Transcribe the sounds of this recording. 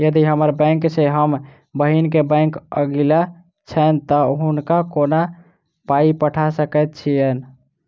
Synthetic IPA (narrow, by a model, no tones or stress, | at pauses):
jəd̪iɦəməɾbə̃ŋkseɦəm | bəɦinkebɛ̃ŋkə̰ɡila | t͡ʃʰənt̪əɦunkakona | paipəʈʰasəkɛt̪̚t͡ʃʰijən